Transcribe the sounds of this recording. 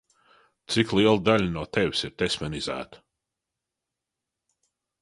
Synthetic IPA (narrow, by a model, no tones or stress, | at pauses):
t̪siklˠiɛlˠd̪aʎʲnuɔt̪ɛvʲsiɾt̪esmɛnizæ̰ːt̪ə̥